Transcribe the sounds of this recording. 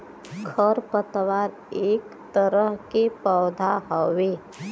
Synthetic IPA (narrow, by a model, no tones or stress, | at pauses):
kʰəɾpət̪ʋaːɾ | eːk | t̪əɾəɦkepəːd̪ʱaɦəʋe